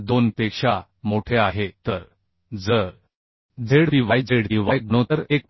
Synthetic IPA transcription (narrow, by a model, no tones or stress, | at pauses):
d̪onpekʂa | moʈʰeaɦet̪əɾ | d͡zəɾ | d͡zeɽpiʋajd͡zeɽpiʋajkɳot̪əɾek̚